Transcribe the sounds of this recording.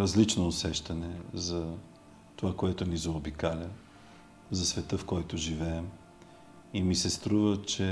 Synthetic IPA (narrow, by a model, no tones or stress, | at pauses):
ɾɐzlit͡ʃnoːsɛʃt̪ɐnɛzɐ | t̪ovakoɛt̪ʊnizɐːbikalʲə | zɐsvɛt̪əfkɔjt̪ʊʒivɛːm | imisɛst̪ɾuvət͡ʃɛ